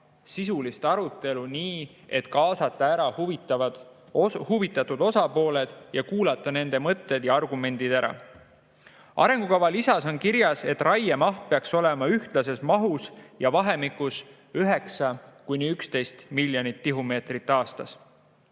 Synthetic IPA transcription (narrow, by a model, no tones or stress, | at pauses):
sisulist̪ɑɾut̪ːˑe̞luniː | e̞t̪kɑːsɑt̪ːˑɑæɾɑhu | huvit̪ːˑɑt̪ːud̪o̞sɑpo̞ːle̞d̪̥jɑkuːlɑt̪ˑːɑne̞nd̪e̞mɤt̪ːˑe̞d̪jɑɑrɡume̞nd̪̥id̪æɾɑ̰ | ɑ̰ɾe̞ŋɡ̥ukɑvɑlisɑso̞nkiɾjɑse̞t̪ːˑrɑjemɑht̪̚peɑkso̞le̞mɑyht̪lɑs̬e̞smɑɦusjɑvɑɦe̞mikːˑus | yɦe̞ksɑkujnʲiykst̪e̞jst̪miljonʲit̪ːiɦume̞ːt̪rit̪ːˑɑːst̪ɑs